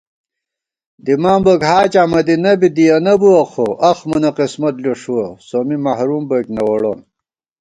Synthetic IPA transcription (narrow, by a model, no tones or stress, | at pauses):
d̪imaːmbɐkɦaːt͡ɕamɐd̪inɐbid̪ijɐnɐbuɐxoʔɐxmɐnɐqismɐt̪loʂuɐsomimɐhɾumbɐknɐwɐɽoːn